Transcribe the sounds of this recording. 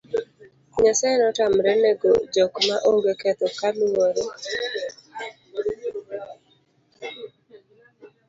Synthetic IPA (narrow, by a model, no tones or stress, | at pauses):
ɲasɛnɔtamɾɛnɛɡo̰d͡ʒɔkmaʔoŋɡekɛt̪ɔkalwoɾe